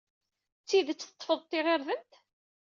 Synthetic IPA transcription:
t͡sːiðt͡sːət̪ˤːfəðˤt̪ˤːiʁeɾðənt̪

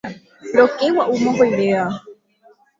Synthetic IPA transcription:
ɾokewaʔumoɦojɾea

